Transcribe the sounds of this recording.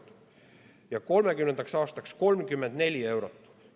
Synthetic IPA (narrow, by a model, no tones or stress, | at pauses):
t̪ | jɑko̞lme̞kymne̞nd̪ɑksɑːst̪ɑksko̞lmkymːe̞nd̪̥ne̞lʲie̞wɾo̞t̪ːˑ